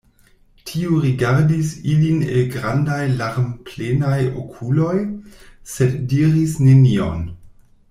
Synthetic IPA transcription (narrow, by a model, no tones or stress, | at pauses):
tʰiuɾiɡaɾdisilinḛlɡʁandajlaɾmplenajo̰kʰulo̞jseddiɾisnenio̰n